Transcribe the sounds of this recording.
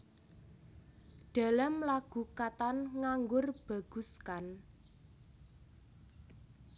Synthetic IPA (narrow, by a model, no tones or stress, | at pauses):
ɖ̥a̤lamlaɡ̥ṳkat̪anŋaŋɡʊrb̥a̤ɡ̥ṳskan